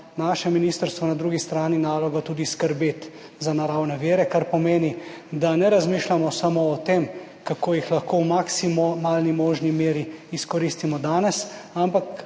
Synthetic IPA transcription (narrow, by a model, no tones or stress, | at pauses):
naːʃɛminiːst̪əɾst̪ʋɔnad̪ɾuːɡist̪ɾaːninaːlɔɡat̪uːd̪iskəɾbeːt̪ | zanaɾawnɛʋeːɾɛkaɾpɔmeːnid̪anɛɾazmiːʃlʲamɔsamoːt̪em | kakʰoːjixlaxkowmaksimmalnimɔːʒnimeːɾiːskɔɾist̪imɔd̪aːnɛsampak